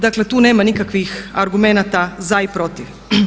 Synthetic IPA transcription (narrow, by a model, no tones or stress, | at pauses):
d̪aklet̪uːneːmanikakʋixaɾɡumenat̪azaipɾo̞t̪iʋ